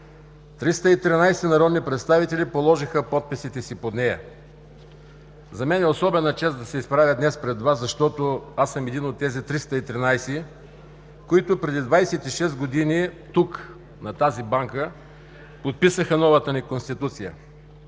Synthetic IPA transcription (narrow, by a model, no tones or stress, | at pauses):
t̪ɾist̪əit̪ɾinajsɛnɐɾɔd̪nipɾɛt̪st̪avit̪ɛlʲipolˠɔʒixəpɔt̪̚pisit̪ɛsipod̪nɛjɐ̰ | zɐmɛnɛosɔbɛnɐt͡ʃɛsd̪ɐsɛispɾavʲəd̪nɛspɾɛd̪vaszɐʃt̪ɔt̪oasɐmɛd̪inot̪ːɛzit̪ɾist̪əit̪ɾinajsi | koit̪ʊpɾɛd̪id̪vajsɛt̪iʃɛst̪ɡod̪init̪uk | nɐt̪azibaŋkə | pot̪̚pisəxənɔvət̪ənikonst̪it̪ut̪sijə̰